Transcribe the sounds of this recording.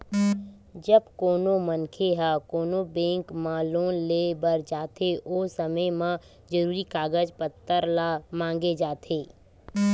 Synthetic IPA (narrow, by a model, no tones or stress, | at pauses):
d͡ʒəbkoːnomənkʰeɦakoːnobẽːŋkmãloːnleːbəɾd͡ʒaːt̪ʰeoːsəməjmã | d͡ʒəɾuːɾikaːɡəd͡ʒpət̪ːəɾlaːmãːŋɡed͡ʒaːt̪ʰeː